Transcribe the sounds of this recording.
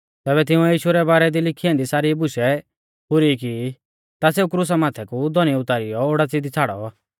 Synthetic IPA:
t̪ɛːβɛt̪̬ɪũɛjiːʃuɾɛbaːɾɛd̪ilɪkʰiɛ̃nd̪isaːɾibʊʃɛ | pʊɾiki | t̪aseːukɾus̬amaːt̪ʰɛkud̪ɔñiʊt̪aːɾɪjɔoːɽat͡sid̪it͡sʰaːɽɔ̰

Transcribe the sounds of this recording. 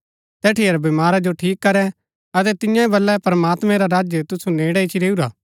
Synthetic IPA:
t̪ɛːʈʰiɐɾbɪmaːɾad͡ʒoʈʰiːkːɐɾɛ | ɐt̪ɛt̪ɪjãĩbɐlːɛpɾɐmaːt̪mɛ̃ɾaɾaːd͡ʒjət̪ʊsuneːɽait͡ʃʰiɾeːuɾaː

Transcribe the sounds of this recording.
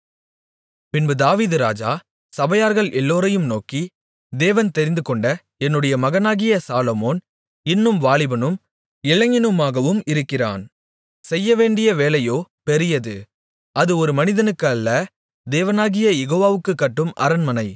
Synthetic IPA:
pɪnbɯd̪aːʋiːðɯɾaːd͡ʒaː | sɐbɐjaːɾɣɐɭɛlːoːɾɐjɯmnoːki | d̪eːʋɐnt̪ɛɾɪnd̪ɯkɔɳɖɐ | ɛnːɯɽɐjɐmɐɣɐnaːɣɪjɐsaːlomoːn | ɪnːɯmʋaːɭɪbɐnɯm | ɪɭɐŋɪnɯmaːɣɐʋɯmɪɾɯkːɪra̰ːn | sɛjːɐʋeːɳɖɪjɐʋeːlɐjoːpɛɾɪjɐðɯ | ʔɐðɯɔɾɯmɐnɪðɐnɯkːɐlːɐ | d̪eːʋɐnaːɣɪjɐjɛɣoːʋaːʋɯkːɯkːɐʈːɯmʔɐ̰ɾɐnmɐnɐɪ

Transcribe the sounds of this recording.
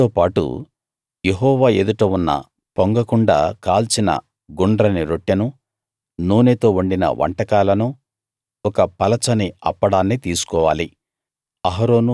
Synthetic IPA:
oːpaːʈṵ | jeɦɔːʋaːeːd̪uʈɐːunːɐ̰ | poŋɡɐkuɳɖa̰ːkaːlt͡ʃinɐ̰ | ɡuɳɖɾɐniɾoʈːjɐnu | nuːneːt̪o̞ːuɳɖinɐ̰ʋɐ̰ɳʈɐkaːlɐnu | ɔkɐpɐlɐt͡ʃɐniɐ̰pːɐɽaːnːit̪iːsu̥kɔːʋa̰ːli | ɐɦɐɾoːnu

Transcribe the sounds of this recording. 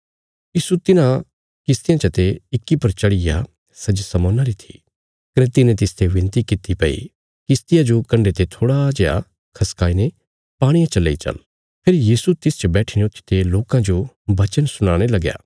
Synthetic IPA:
jiːsut̪ɪnã | kɪst̪ɪjãt͡ʃɐt̪eɪkːipɐɾt͡ʃɐɽɪja̰ | sɐd͡ʒsɐmõːnaɾit̪ʰḭ | kɐnet̪ɪnẽt̪ɪst̪ʰeʋɪ̃nt̪ikɪt̪ipɐḭ | kɪst̪ɪjad͡ʒokɐ̃ɳɖet̪et̪ʰoːɽaːd͡ʒeja̰ | kʰɐskaːine | paːɽ̃ijãt͡ʃɐlːeit͡ʃɐ̰n | pʰɪɾjiːsut̪ɪst͡ʃɐbɛːʈʰɪñot̪ɪ̥t̪eloːkãd͡ʒo | bɐt͡ʃənsʊɽ̃ãːɽ̃elɐɡja̰ː

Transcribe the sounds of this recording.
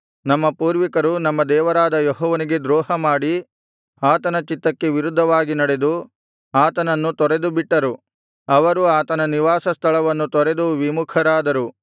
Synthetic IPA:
nɐmːɐpuːɾʋikɐɾunɐmːɐd̪ɛːʋɐɾaːd̪ɐjeɦɔːʋɐniɡe̞d̪ɾɔːɦɐmaːɽi | aːt̪ɐnɐt͡ʃit̪ːɐkːe̞ʋiɾud̪ʱːɐʋaːɡinɐɽe̞d̪u | aːt̪ɐnɐnːut̪ɔɾe̞d̪ubiʈːɐɾu | ɐʋɐɾuaːt̪ɐnɐniʋaːsɐst̪ʰɐɭɐʋɐnːut̪ɔɾe̞d̪uʋimukʰɐɾaːd̪ɐɾu

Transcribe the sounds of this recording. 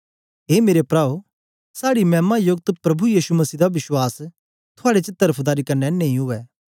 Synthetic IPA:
ɦeːmeːɾepɾaːo | saːɽimɛ̃ːmajʊɡ̚t̪pɾɐbujiːsumɐsiːd̪aʋɪswaːs | t̪ʰʊaːɽet͡ʃɪt̪ːəɾəpʰd̪aːɾikɐɾnɛnẽːĩɦʊɛː

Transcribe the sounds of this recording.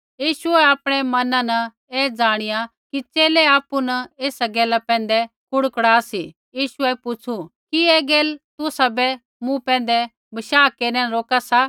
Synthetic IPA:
jiːʃʊɛapɽ̃ɛmɐnãnɐ | eːd͡zaːɽ̃ɪja | kit͡ʃeːlɛaːpːunɐeːsaɡɛːlapɛ̃ːnd̪ɛ | kʰʊɽkɽaːsi | jiːʃʊɛpʊt͡ʃʰukieːɡɛːlt̪ʊsabɛ | mũpɛ̃ːnd̪ɛ | bɐʃaːkeːɾnɛnɾoːkasa

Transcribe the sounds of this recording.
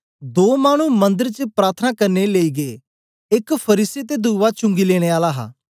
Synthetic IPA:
d̪oːmaːɽ̃umɐ̃nd̪əɾt͡ʃəpɾaːt̪ʰənakɐɾneleːiːɡe | ɪkpʰɐɾiːset̪ed̪uːʋat͡ʃʊ̃ŋɡileːɽ̃eaːlaɦa̰ː

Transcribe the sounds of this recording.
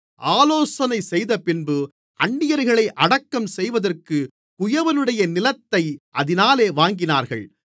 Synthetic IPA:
ʔaːloːsɐnɐɪsɛjðɐpɪnbɯ | ɐɳːɪjɐɾɣɐɭɐɪʔɐɽɐkːɐmsɛjʋɐðɐrkɯ | kʊjɐʋɐnɯɽɐjɐnɪlɐt̪ːɐɪʔɐðɪnaːleːʋaːŋɡɪnaːɾɣɐɭ

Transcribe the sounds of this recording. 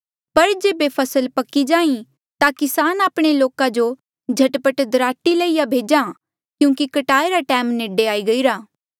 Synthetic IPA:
pɐɾd͡ʒeːbepʰɐsəlpɐkid͡ʒaːĩ | t̪akɪsaːnaːpɽ̃eloːkad͡ʒo | d͡ʒʱɐʈpəʈd̪ɾaːʈːiləijabʱeːd͡ʒa | kjũːkikɐʈaːeɾaʈɛːmneːɖeaːiɡɐiːɾaː

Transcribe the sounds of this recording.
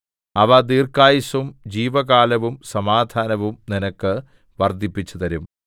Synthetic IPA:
ɐʋɐd̪iːrkaːjisɐmd͡ʑiːʋɐɡaːlɐʋumsɐmaːd̪ʱaːnɐʋumninɐkːɨ | ʋɐrd̪ʱipːit͡ɕːut̪ɐɾum

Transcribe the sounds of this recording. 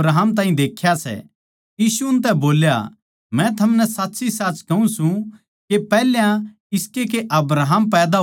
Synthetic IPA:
ɾaːɦəmt̪̬ãːĩd̪eːkʰjasɛ̰ | jiːsuʊnt̪̬ɛboːlja̰ | mɛ̃t̪ʰɐmnɛsaːt̪ːsisaːt͡ʃkɐũsũ | kepɛːljã | ɪskek̬eʔɐbɾaɦəmpɛːd̪a

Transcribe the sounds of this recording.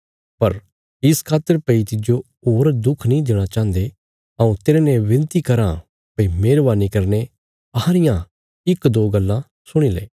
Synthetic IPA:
pɐɾ | ɪskʰaːt̪ːəɾpɐit̪ɪd͡ʒo | oːɾd̪ʊkʰnĩd̪eːɽ̃at͡ʃãːnd̪e | ɐũt̪eːɾenẽʋɪ̃nt̪ikɐɾã̰ | pɐimeːɾʋaːnikɐɾne | ɐhãɾɪjã | ɪkd̪oːɡɐlːã | sʊɽ̃ilḛː

